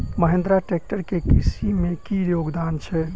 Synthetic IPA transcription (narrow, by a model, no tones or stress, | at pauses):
məɦẽnd̪ɾaʈek̚ʈəɾkekisimekijoɡd̪ant͡ʃʰɛ